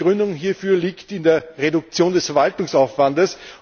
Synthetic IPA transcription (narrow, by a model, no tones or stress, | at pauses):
ʁʏndʊŋɦiːɐfyːɐliːktɪndeːɐʁedʊk̚t͡sjoːndɛsfɛɐvaltʊŋsaʊfv̥andəs